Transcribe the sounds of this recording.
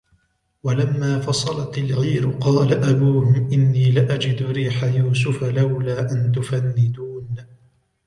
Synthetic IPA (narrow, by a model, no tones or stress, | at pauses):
walamːaːfɑsˤɑlɑt̪ɪlɣiːɾʊqɑːlaʔabuːhʊmʔɪnːiːlɪʔad͡ʒɪd̪ʊɾiːħajuːsʊfalawlaːʔant̪ʊfanːɪd̪uːn